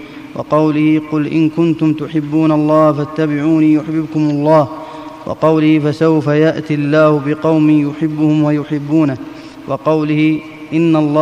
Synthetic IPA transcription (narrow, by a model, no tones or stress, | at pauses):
wʔɑ̰qɑwlɪhɪqʊlʔɪ̰nkʊnt̪ʊmt̪ʊħɪbːuːnalˤːɑːhfat̪ːabɪʕuːniːjʊħbɪbkʊmalˤːɑːh | wɑ̰qɑwlɪhɪfasawfajaʔt̪ɪlːaːhʊbɪqɑwmɪːjʊħɪbːʊhʊmwajʊħɪbːuːna | wɑqɑwlɪhɪ | ʔɪnːalˤːɑː